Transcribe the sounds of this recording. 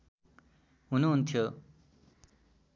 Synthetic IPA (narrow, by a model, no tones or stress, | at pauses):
ɦunuɦunt̪ʰjo